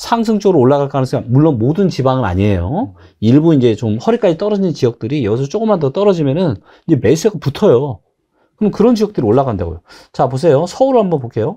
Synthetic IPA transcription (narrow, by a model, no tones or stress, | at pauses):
sʰaŋs̬ʰɯŋt͡ɕ͈ʌɡɯɾooɭːaɡɣaɭk͈ʌɦanɯnsʰeamuɭːonmodɯnt͡ɕibaŋɯɾa̰ɲiejo̰ | iɭbuind͡ʑe̞t͡ɕomhʌɾik͈ad͡ʑit͈ʌɾʌd͡ʑint͡ɕijʌk̚t͈ɯɾijʌɡisʰʌt͡ɕ͈ok͈ɯmːandʌt͈ʌɾʌd͡ʑimjʌnɯn | iɲd͡ʑeme̞sʰueɡɯputʰʌjo | kɯɾnkɯɾʌnt͡ɕijʌk̚t͈ɯɾioɭːaɡand̪a̰ɡo̰jo | t͡ɕapos̬ʰe̞josʰʌuɾohambʌnpokʰe̞jo